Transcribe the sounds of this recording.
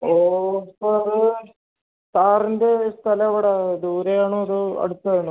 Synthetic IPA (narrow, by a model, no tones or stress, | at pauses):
oːpːoɐðɨ | t̪aːrinde̞st̪ʰɐlɐɐʋiɽɐd̪uːɾejaːɳoɐðɨɐ̰ɽut̪ːɐðeɳu